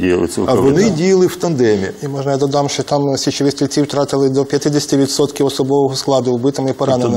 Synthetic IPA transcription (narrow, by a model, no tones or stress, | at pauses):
dʲijɐlˠɪ̰sʲɛ̰ɐʋɔnɪdʲijɐlˠɪwt̪ɐnd̪ɛmʲiimɔʒnɐjad̪ɔd̪ɑmʃɔt̪ɑmsʲit͡ʃɪʋɪsʲt̪ʲilʲt͡sʲiwt̪ɾɑt̪ɪlˠɪd̪ɔpʲjɐt̪ɪd̪ɐsʲt̪ʲɪʋʲit̪sɔt̪kʲiwɔsɔbɔʋɔɦɔsklˠɑd̪ʊʊbɪt̪ɔmɐipɔɾɑnenɪm